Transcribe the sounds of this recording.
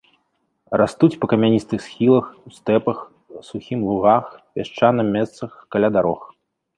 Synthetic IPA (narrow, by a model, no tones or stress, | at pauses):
rast̪ut͡sʲpɐkɐmʲanʲist̪ɨxsxʲilˠɐxust̪ɛpɐx | suxʲimlˠuɣaxpʲaʂt͡ʂanɐmʲɛst̪sɐxkalʲad̪aɾɔx